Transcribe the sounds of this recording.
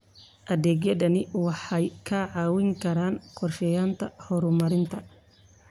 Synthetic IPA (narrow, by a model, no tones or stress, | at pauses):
ʔɐðɛːɡjɐdɐnɪwɑħɑjkʰɐʕɑːwɪŋkʰɐɾaːnqɔrʃɛjaːnt̪ʰɐhɔɾʊmɐɾɪnt̪ʰɐ